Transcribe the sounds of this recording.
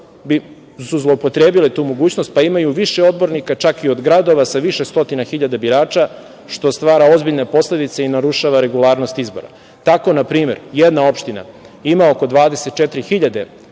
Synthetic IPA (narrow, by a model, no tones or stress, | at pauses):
bi | suzlˠo̞opo̞t̪ɾeːbilet̪uːmo̞ɡuːt͡ɕnost̪̚paimajuʋiʃe̞o̞d̪̚bo̞ɾnikat͡ʃakio̞d̪ɡɾad̪o̞ʋasaʋiʃe̞st̪o̞t̪inaxiʎad̪abiɾaːt͡ʃa | ʃt̪o̞st̪ʋaːɾaozbiʎne̞po̞sle̞d̪it̪se̞inaɾuʃaʋaɾe̞ɡulˠaːɾno̞st̪izbo̞̰ɾa̰ | t̪ako̞napɾiːme̞̰ɾjed̪nao̞pʃt̪ina̰ | imao̞ko̞d̪ʋaːd̪ese̞t̪t͡ʃet̪ɾixiʎad̪e̞